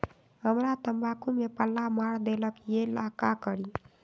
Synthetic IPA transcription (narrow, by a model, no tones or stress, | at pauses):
ɦəmɾat̪əmbakumepəlːamaɽd̪eləkjelakakəɾi